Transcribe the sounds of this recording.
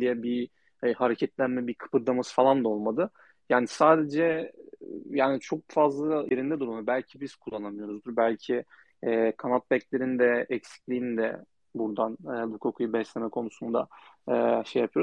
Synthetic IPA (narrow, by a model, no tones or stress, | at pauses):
d̪ijɛbi | haɾecʰɛt̪lʲænmɛbikʰɯ̥pʰɯɾd̪amɯzfalˠand̪o̞lˠmad̪ɯ | jaːnisaːd̪e̞d͡ʒɛ | jaːnit͡ʃʰo̞k̚fazlˠajeɾind̪ɛd̪uɾmabælʲcʰibiz̥kʰulˠːanamɯjo̞ɾuzd̪uɾbælʲcʰiː | kʰanat̪̚bɛclʲe̞ɾind̪ɛɛcsi̥clʲiind̪ɛ̰ | buɾd̪anɯːb̪ukʰokʰujubɛslʲemɛkʰo̞nusund̪a̰ɯːʃejapʰɯjo̞ɾuz